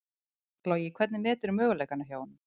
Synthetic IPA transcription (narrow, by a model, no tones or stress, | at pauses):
klaːwjɛkʰvɛt̪nɪmɛːt̪ʏɾʏmœːɣʏleːjkanːaçjaːwnɪ